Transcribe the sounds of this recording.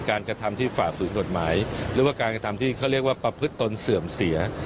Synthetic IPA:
kaː˧nkɾa˧t̪ʰa˧mt̪ʰiː˥˩faː˨˩fɯː˩˦nko˨˩t̪̚maː˩˦jɾɯː˩˦waː˥˩kaː˧nkɾa˧t̪ʰa˧mt̪ʰiː˥˩kʰa˥˩ɾi˥˩ək̚waː˥˩pɾa˧pʰɯ˦˥t̪ːo˧nsɯ˨˩əmsi˩˦ɐ

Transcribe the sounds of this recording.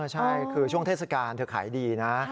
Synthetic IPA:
t͡ɕʰa˥˩jkʰɯː˧t͡ɕʰu˥˩əŋt̪ʰe˥˩sa˧kaː˧nt̪ʰɯ˩˦əkʰa̰ː˩˦jdiː˧na˦˥

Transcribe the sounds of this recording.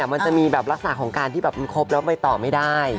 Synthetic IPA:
ma˧nt͡ɕa˨˩ʔmiː˧bɛː˨˩p̚ɾla˦˥k̚sa˨na˨˩kʰɔː˩˦ŋkaː˧nt̪ʰiː˥˩bɛː˨˩p̚ma˧nkʰo˦˥p̚lɛː˦˥pa˧jt̪ɔː˨˩ma˥˩jdaː˥˩j

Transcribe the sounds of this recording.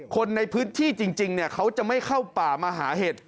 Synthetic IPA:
kʰo˧nːa˧jpʰɯː˦˥nt̪ʰiː˥˩t͡ɕi˧ŋt͡ɕi˧ŋni˥˩ɐkʰa˦˥wt͡ɕa˨˩ma˥˩jkʰa˥˩wpaː˨˩maː˧ɦaː˩˦ɦe˨˩t̪̚

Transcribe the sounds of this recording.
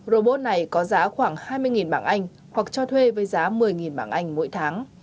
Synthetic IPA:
zo˧˩ɓo˧t̚na˨˩jkɔ˨˦zaː˨˦xwaː˧˩ŋhaː˧jmɨ˧əjŋi˨˩nɓa̰ː˧˩nʔa˧jŋ̟ | hwa˨˩k̚t͡ɕɔ˧t̪ʰwe˧vəː˨˦jzaː˨˦mɨ˨˩əjŋi˨˩nɓaː˧˩nʔa˧jŋ̟mo̰˧˥jt̪ʰaː˨˦ŋ

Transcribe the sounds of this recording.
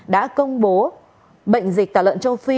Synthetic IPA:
ɗa̰ː˧˥kə˧wŋ͡mɓo˨˦ | ɓə̰˧˨jŋ̟zi˨˩k̚t̪aː˨˩wə̰˧˨nt͡ɕə˧wfi˧

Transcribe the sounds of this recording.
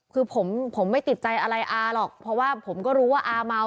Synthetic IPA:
kʰɯː˧pʰo˩˦mpʰo˩˦mːa˥˩jt̪i˨˩t̪̚t͡ɕa˧jʔa˧ɾa˧jʔaː˧lɔː˨˩k̚pʰɔ˧˥waː˥˩pʰo˩˦mkɔː˥˩ɾuː˦˥waː˥˩ʔaː˧ma˧

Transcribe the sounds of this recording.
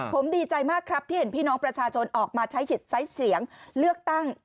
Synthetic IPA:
pʰo˩˦mdiː˧t͡ɕa˧jmaː˥˩kʰɾa˦˥p̚t̪ʰiː˥˩e˨˦npʰiː˥˩nɔː˦˥ŋpɾa˧t͡ɕʰaː˧t͡ɕʰo˧nʔɔː˨˩k̚maː˧t͡ɕʰa˦˥jt͡ɕʰi˨˩t̪̚sa˦˥jsi˩˦əŋlɯ˥˩ək̚t̪a˥˩ŋ

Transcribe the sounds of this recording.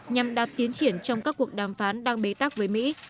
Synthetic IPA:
ɲa˨˩mɗaː˨˩t̚t̪i˨˦ənt͡ɕi˧˩ənt͡ɕɔ˧wŋ͡mkaː˦˥kːu˨˩ək̚ɗaː˧˩mfaː˨˦nɗaː˧ŋɓe˨˦t̪a˦˥k̚vəː˨˦jmḭ˧˥

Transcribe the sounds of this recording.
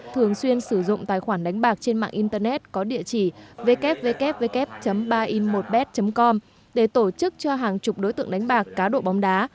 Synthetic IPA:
t̪ʰɨ˨˩əŋswi˧ənsɨ˧˩zʊ̰˧˨ŋ͡mt̪aː˨jxwaː˧˩nɗa˨˦jŋ̟ɓaː˨˩k̚t͡ɕe˧nma̰ː˧˨ŋʔi˧nt̪əː˧nɛ˦˥t̚kɔ˨˦ɗḭ˧˨ət͡ɕi˧˩ve˧kɛ˦˥p̚ve˧kɛ˦˥p̚ve˧kɛ˦˥p̚t͡ɕə˨˦mɓaː˧ʔi˧nmo˨˩t̚ɓɛ˦˥t̚t͡ɕə˨˦mkɔ˧m | ɗe˧˩t̪o˧˩t͡ɕɨ˦˥k̚t͡ɕɔ˧ɦaː˨˩ŋt͡ɕʊ˨˩k͡p̚ɗo˨˦jt̪ɨ̰˧˨əŋɗa˨˦jŋ̟ɓaː˨˩kːaː˨˦ɗo̰˧˨ɓa˨˦wŋ͡mɗaː˨˦

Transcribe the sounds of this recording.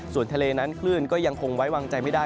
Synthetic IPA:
su˨˩nt̪ʰa˧leː˧na˦˥nkʰlɯː˥˩nkɔː˥˩ja˧ŋkʰo˧ŋwa˦˥jwaː˧ŋt͡ɕa˧jma˥˩jdaː˥˩

